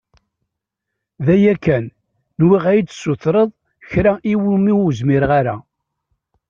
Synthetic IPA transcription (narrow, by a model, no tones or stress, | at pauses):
ðæjækːænː | wiʁæjd̪sːʊθɾəðˤ | çɾæʔiwumiuzmɪɾʁaɾæ